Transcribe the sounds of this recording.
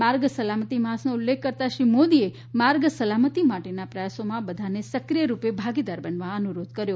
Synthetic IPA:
maɾɡsəlamət̪imasnoulːekʰːəɾt̪aʃɾimod̪ie | maɾɡsəlamət̪imaʈenapɾəjasomãbəd̪ʱanesəkɾijəɾupebʱaɡid̪aɾbənʋãənuɾod̪̚ʱkəɾjo

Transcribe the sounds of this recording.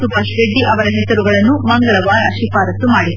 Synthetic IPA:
t̪ubɐsʋeɖːiʔɐʋɐɾɐɦɛsɐɾuɡɐɭɐnːumɐŋɡɐɭɐʋaːɐʃipaːɾɐt̪ːumaːɽid̪

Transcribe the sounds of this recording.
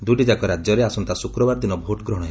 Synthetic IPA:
d̪uʈid͡ʒakɔɾad͡ʒjɔɾeasɔnt̪asukɾɔbaɾɔd̪inɔbʱoʈɡɾɔɽ̃ɦe

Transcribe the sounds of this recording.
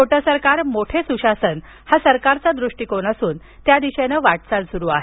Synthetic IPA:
oʈəsəɾkaɾmoʈʰesuɕasən | hasəɾkaɾt͡sad̪ɾuʂʈikonəsuːn | t̪jad̪iɕenəʋaʈt͡salsuɾuːa̰ɦe

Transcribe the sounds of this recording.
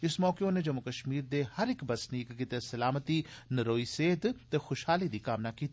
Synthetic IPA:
ɪsmɔːkeõned͡ʒɐmʊkəʃmiːɾd̪ehɐɾɪkbɐsniːkɡɪt̪esɐlaːmət̪inɐɾoːiseːd̪t̪exʊʃhaːlid̪ikaːʋnakiːt̪ː

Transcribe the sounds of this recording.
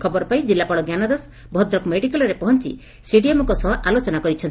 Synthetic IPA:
kʰɔbɔɾɔpaĩd͡ʒilːapɔɽɔɡjanɔd̪as | bʱɔd̪ɾɔkmeɽikalɔɾepɔɦɔnt͡ʃḭ | siɖiemɔkɔsɔɦʔalot͡ʃɔnakɔɾit͡ʃʰɔnt̪i

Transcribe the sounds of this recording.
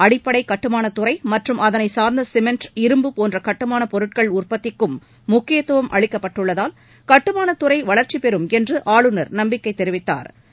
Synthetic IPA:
ɐɽɪpːɐɽɐɪkɐʈːɯmaːnɐt̪ʊrɐɪmɐʈrɯmɐðɐnɐɪsaːɾnd̪ɐsɪmɛnʈɪɾɯmbɯpoːndrɐkɐʈːɯmaːnɐpɔɾɯʈ̚kɐɭʊrpɐt̪ːɪkːɯmː | ʊkːɪjɐt̪ːuʋɐmʔɐ̰ɭɪkːɐpːɐʈːɯɭːɐðaːl | kɐʈːɯmaːnɐt̪ʊrɐɪʋɐɭɐɾt͡ʃipɛɾɯmɛndrɯʔaːɭɯnɐɾnɐmbɪkːɐɪt̪ːɛɾɪʋɪt̪ːa̰ːɾ

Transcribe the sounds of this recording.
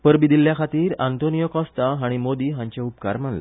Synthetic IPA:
pəɾbid̪ilːjakʰat̪iːɾant̪onijəkɔ̃st̪aɦaɽ̃imod̪iːɦãɲt͡ɕeupka̰ɾm̤anlḛ

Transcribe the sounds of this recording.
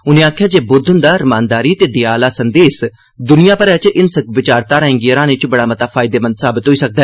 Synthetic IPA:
ʊnẽaːkʰjaːd͡ʒeːbʊd̪ʱənd̪aːɾɐmãːnd̪aːɾiːt̪eːd̪ɪjaːlaːsɐnd̪eːs | d̪ʊnijaːpəɾɛːt͡ʃʔɪnsəkʋɪt͡ʃaːɾt̪aːɾəɦẽŋɡiəɾãːneːt͡ʃbɐɽaːmɐt̪aːfʰaːɪd̪eːmə̃nd̪saːbɪt̪ɦoːiːsək̚d̪aːɛː

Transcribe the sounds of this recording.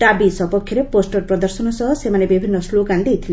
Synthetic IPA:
ʈabisɔpɔkʰːjɔɾeposʈɔɾpɾɔd̪ɔɾsɔnɔsɔɦɔsemanebibʱinːɔsloɡand̪ejt̪ʰile

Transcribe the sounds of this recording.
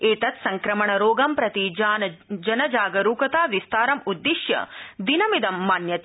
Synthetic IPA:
eːt̪ɐt̪sɐŋkɾɐmɐɳɐɾoːɡɐmpɾɐt̪id͡ʒaːnɐd͡ʒɐnɐd͡ʒaːɡɐɾuːkɐt̪aːʋist̪aːɾɐmud̪ːiʃjɐ̰d̪inɐmid̪ɐmːaːnjɐt̪

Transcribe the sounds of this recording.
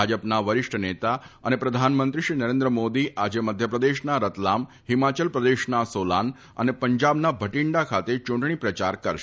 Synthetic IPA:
ad͡ʒəpnaʋəɾɪʂʈʰənet̪aənepɾəd̪ʱanmənt̪ɾiʃɾinəɾẽnd̪ɾəmod̪iʔad͡ʒeməd̪ʱjəpɾəd̪eʃnaɾət̪lam | ɦimat͡ʃəlpɾəd̪eʃnasola̰n | ə̰nepəɲd͡ʒabnabʱəʈɪɳɖakʰat̪et͡ʃuɳʈɳ̃ipɾət͡ʃaɾkəɾʃ

